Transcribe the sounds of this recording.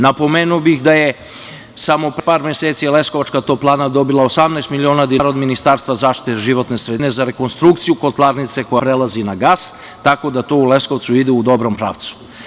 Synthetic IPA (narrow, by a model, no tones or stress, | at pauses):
napo̞meːnuobixd̪aje | samo̞ppaːɾmjeseːt̪sijele̞sko̞ʋat͡ʃkat̪o̞plˠaːnad̪o̞bilˠaosamnɛst̪milionad̪iɾod̪minist̪aːɾst̪ʋazaːʃt̪i̥t̪eʒiʋo̞t̪ne̞sɾed̪ne̞zaɾe̞ko̞nst̪ɾukt̪sijuko̞t̪lˠaɾnit̪se̞kojapɾelazinaɡaːs | t̪ako̞d̪at̪o̞ule̞sko̞ʋt̪suid̪eud̪o̞bɾo̞mpɾa̰ːʋt̪su̥